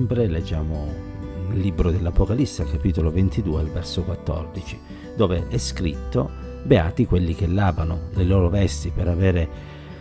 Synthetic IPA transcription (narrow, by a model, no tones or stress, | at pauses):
mpɾeled͡ʒːaːmo | lːibɾod̪elːapokalisːealkapiːt̪olovent̪id̪uːealvɛrsokwat̪ːɔ̰rd̪it͡ʃi̥ | d̪̥oːveʔɛskɾḭt̪ːobeaːt̪ikwelːik̟elːaːvanoleloːɾovɛst̪ipeɾavɛːɾe